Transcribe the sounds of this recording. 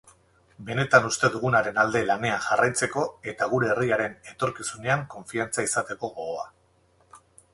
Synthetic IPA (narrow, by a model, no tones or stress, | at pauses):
be̞ne̞t̪anust̪e̞ðuɣ̞unaɾe̞nald̪e̞lane̞aŋʝarajt͡se̞ko̞e̞t̪aɣ̞uɾe̞ːriaɾe̞ne̞t̪o̞ɾkisune̞aŋko̞ɱfiant͡saisat̪e̞ko̞ɣo̞a